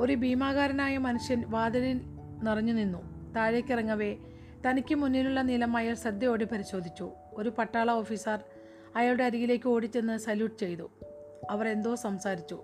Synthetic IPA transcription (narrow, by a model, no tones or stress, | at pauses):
o̞ɾubiːmaːɣaːɾɐnaːjɐmɐnuʂjɐnʋaːd̪ɐðil | nirɐɲːuninːut̪aːɻekʲːirɐŋːɐʋe̞ | t̪ɐnikʲːɨmunːiluɭːɐnilɐmɐjaːɭsɐd̪jɐjoːɽepɐɾiɕo̞ːd̪ʱit͡ɕːu | o̞ɾupɐʈːaːɭɐo̞ːfiːsɐr | ɐjaːluɽe̞ɐɾijile̞ːkʲːɨoːɽit͡ɕːe̞nːɨsɐljuːʈːɨt͡ɕe̞jt̪u | ɐʋɐre̞nd̪o̞ːsɐmsaːɾit͡ɕːu